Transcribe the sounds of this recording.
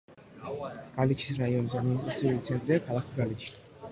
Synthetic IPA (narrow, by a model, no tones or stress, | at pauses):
ɡ̥alit͡ʃʰi̥sɾaiɔnis̬ad̪minist̪ɾat̪sʰiulit̪sʰɛnt̪ʼɾiakʰalˠakʰbɾalit͡ʃʰi̥